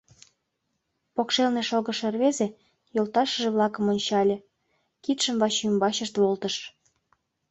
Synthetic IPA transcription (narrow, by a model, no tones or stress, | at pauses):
pokʃelneʃoɣəʃerβeze | jolt̪ɑʃəʒeβlɑkə̆monʲt͡ɕɑlʲe | kit̪ʃəmβɑɕymbɑɕəʃt̪βolt̪ə̆ʃ